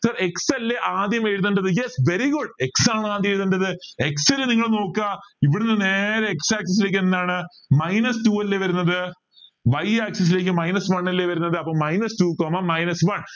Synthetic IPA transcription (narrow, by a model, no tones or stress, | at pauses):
sɐreksɐlːeʔaːd̪jɐmeɻt̪ːuɳɖɐðɨjesʋeɾiɡuɖeksaːɳɨaːd̪jeɻðuɳɖɐðɨe̞ksɐɾɨniŋːɐɭno̞ːkːaiʋiɽunːɨne̞ːɾeeksaːks̬ɐs̬ile̞ːkːenːaːɳɨ | mɐjnɐstuːɐlːeʋɐɾunːɐðɨ | ʋɐjaːksɐs̬ile̞ːkːɨmɐjnɐsʋɐɳːɐlːeʋɐɾunːɐðɨɐpːoːmɐjnɐstuːkoːmɐmɐjnɐsʋɐɳ